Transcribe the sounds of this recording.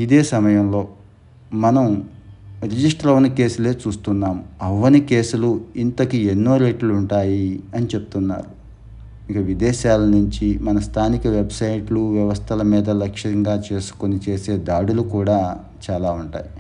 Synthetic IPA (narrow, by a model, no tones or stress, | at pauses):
id̪eːsɐmɐjɐmlo̞ː | mɐnɐm | ɾid͡ʒisʈɾɐʋnɐke̞ːsule̞ːt͡ʃuːst̪unːaːmɐʋːɐnike̞ːsuluint̪ɐkienːoːɾeːʈluuɳʈaːjiɐnit͡ʃepu̥t̪unːa̰ːɾu | ikɐʋid̪ɛːʃaːlɐnuɲt͡ʃimɐnɐst̪ʰaːnikɐʋebsɐjʈluʋjɛʋɐst̪ʰɐlɐmiːd̪ɐlɐkʂɐɐŋɡaːt͡ʃe̞ːsu̥ko̞nit͡ʃe̞ːse̞ːd̪aːɽulukuːɽaː | t͡ʃaːlaːuɳʈa̰ːji